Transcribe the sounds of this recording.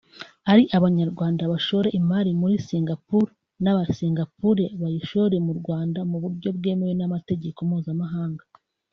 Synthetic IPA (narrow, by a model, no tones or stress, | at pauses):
aɾiʔaβaɲaɾɡwaːndaβaʃo̞ɾe̞ʔimaɾimuɾisiːŋɡapuːɾe | naβasiːŋɡapuːɾe̞βajiʃo̞ɾe̞muɾɡwaːndamuβuɾɟo̞bɡe̞ːme̞wenamate̞ɟe̞ko̞mhuːzamaɦaːŋɡa